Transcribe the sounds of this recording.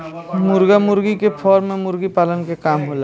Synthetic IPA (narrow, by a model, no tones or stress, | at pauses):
mʊɾɡamʊɾɡikepʰɔːɾmẽmʊɾɡipaːlənkekaːmɦola